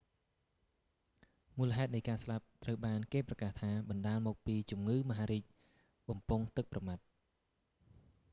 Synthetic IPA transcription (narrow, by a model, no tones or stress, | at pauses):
muːləɦaɛt̪̚nəjkaːslap̚t̪rəwɓaːnkeːprɑkaːht̪ʰaːɓɑnɗaːlmɔːk̚piːt͡ɕumŋɨːməɦaːɾiːc̚ | ɓɑmpuŋt̪ɨk̚prɑmat̪̚